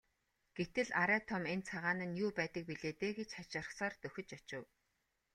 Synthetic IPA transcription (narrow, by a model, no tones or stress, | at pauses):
ɡ̥et̪ɘ̆ɮaɾæːt̪ʰɔment͡sʰaʁaːnɘ̆njuːpæːt̪ə̆k̚piɮeːt̪eːɡet͡ɕχat͡ɕɪ̆r̆χsaːrt̪ɵxʲɵ̆t͡ɕat͡ɕɪ̆w